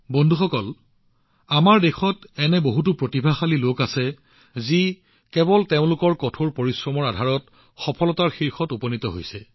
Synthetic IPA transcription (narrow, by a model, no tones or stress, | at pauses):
bɔndʱuxɔkɔl | amaɹdexɔtɛnɛboɦut̬ʊpɹotibʱaxalilokasɛ | zi | kɛbɔlteʊ̃lʊkɔɹkɔtʰoɹpoɹisɹɔmɔɹadʱaɹɔt | xɔpʰɔlɔtaɹxiɹxɔtupɔnitɔɦo̰jsɛ